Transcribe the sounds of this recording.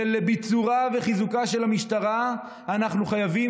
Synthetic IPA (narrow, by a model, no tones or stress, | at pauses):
elebit͡suʁave̞χizukaʃe̞lamiʃt̪aʁa | anaχnuχajavi